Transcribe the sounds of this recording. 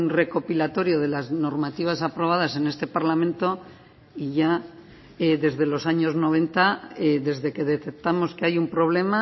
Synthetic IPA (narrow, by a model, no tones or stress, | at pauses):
nre̞ko̞pilat̪o̞ɾjoð̞e̞lazno̞ɾmat̪iβasapɾo̞β̞að̞ase̞ne̞st̪e̞paɾlamẽ̞nt̪o̞ | iʝa | eðe̞zðe̞lo̞saɲo̞zno̞β̞e̞nt̪aeðe̞zðe̞ke̞ðe̞t̪ek̚t̪amo̞skeajumpɾo̞β̞le̞ma